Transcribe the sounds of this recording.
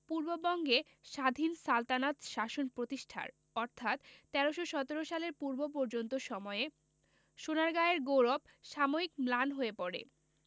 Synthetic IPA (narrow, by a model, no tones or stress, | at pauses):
puɾbobɔŋɡe | ʃad̪ʱinsalt̪anat̪ʃaʃonpɾot̪iʃʈʰa̰ɾ | ɔɾt̪ʰat̪t̪ːɛɾoʃoʃɔt̪eɾoʃaleɾpuɾbop̬ɔɾd͡ʑont̪oʃɔmɔee | ʃonaɾɡaeɾɡowɾob | ʃamoikmlanɦoepɔɾḛ